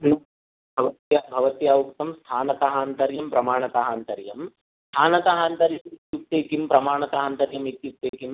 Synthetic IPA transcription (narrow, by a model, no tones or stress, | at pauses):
nɐ | bʱɐʋɐt̪jabʱɐʋɐt̪jaːʋukt̪ɐmst̪ʰaːnɐt̪ɐɦaːnt̪ɐɾjɐmpɾɐmaːɳɐt̪ɐɦaːnt̪ɐɾjɐm | st̪ʰaːnɐt̪ɐɦaːnt̪ɐɾjɐmit̪jukt̪ːeːkimpɾɐmaːɳɐt̪ɐɦaːnt̪ɐɾjɐmit̪jut̪ːeːkim